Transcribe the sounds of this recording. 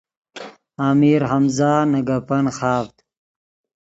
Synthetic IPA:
aːmiɾɦɐmzaːnɐɡɐpɐnxaːft̪

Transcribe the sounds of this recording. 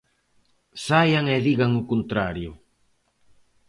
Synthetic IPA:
sajaŋeðiɣaŋʊkont̪ɾaɾjʊ

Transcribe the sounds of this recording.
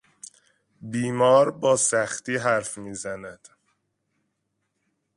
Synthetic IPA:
biːmɒːɾbɒːsæxt̪iːɦæɾfmiːzænæd̪̥

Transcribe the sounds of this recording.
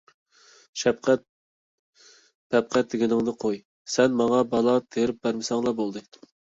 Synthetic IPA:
ʃɛpqʰæt̪̚ | pʰɛp̚qʰæt̪̚d̪ɪɡʲɪnɪŋnɨqʰoj | sɛnmɑŋɑbɑlˠɑt̪ʰeɾɪp̚bæɾmɪsɑŋlˠɑbolˠd̪ɨ

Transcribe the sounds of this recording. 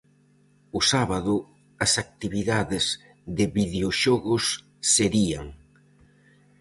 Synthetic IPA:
ʊsaβaðʊ | ɐsak̚t̪iβiðaðɪz | ðɪβiðeoʃɔɣʊsː | eɾia̰ŋ

